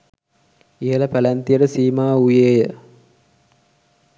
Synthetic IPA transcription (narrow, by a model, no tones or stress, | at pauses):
ijəlɐpɐlænt̪ijeɾəsiːmaːujeːjə